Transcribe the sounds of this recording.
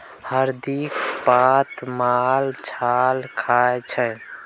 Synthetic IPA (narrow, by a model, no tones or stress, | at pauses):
həɾd̪ikpat̪malt͡ʃʰalkʰaet͡ʃʰɛ̃